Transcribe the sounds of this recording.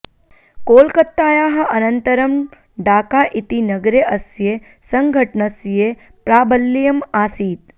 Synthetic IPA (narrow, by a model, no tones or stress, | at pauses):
koːlkət̪ːaːjaːɦɐ̆ʔɐnənt̪əɾəm | ɖaːkaʔit̪inəɡɾeʔəsje | səŋɡʱəʈɳəsje | pɾaːbəlːijɐmaːsiːt̪̚